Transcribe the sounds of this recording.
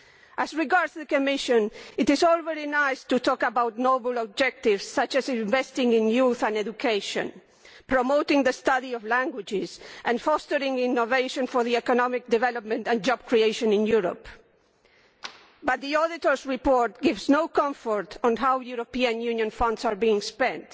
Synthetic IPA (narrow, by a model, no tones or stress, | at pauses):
æzɹiɡaɹdzðəkɔmɪʃə̃nɪtɪzɔlˠvɛɹinaɪstutʰɔkabawt̚nobl̩ɔb̚d͡ʒɛk̚tɪvsːʌt͡ʃɨzɪ̃ɱvɛstɪ̃ŋɪ̃njuθãnɛdukʰeɪʃɔ̰̃n | pɹomoʊtɪ̃ŋðəstʌðiɔvlæ̃ŋɡwɪd͡ʒɪzʔãnfɔstəɾɪ̃ŋɪ̃nːoveɪʃɔ̃nfɔ˞ðiɛkɔnɔmɪk̚d̪ɛvɛlɔp̚mɛ̃ntãnd͡ʒɔb̥̚kɹieɪʃɔ̃nɪ̃njuɾo̰p | bʌt̪̚ðiɔðɪtɔɹsɹipɔɹt̪̚ɡɪvznoʊkʌ̃ɱfɔɹtʰɔ̃nɦawjuɾopiɨ̃njũnjɔ̃nfʌ̃ndsaɹbiɪ̃ŋspɛ̃nt